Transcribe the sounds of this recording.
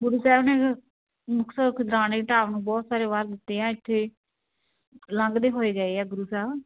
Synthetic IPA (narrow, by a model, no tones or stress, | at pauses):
ɡʊɾuːsɛːbnẽː | mʊksəkʰɪd̪ɾaːneːʈaːʋnũːbɔːt̪saːɾeːʋaːɾd̪ɪt̪ːeːãːɪt̪ʰːeː | lə̃ŋɡd̪eːɦoːeːɡəeːɛːɡʊɾuːsɛːb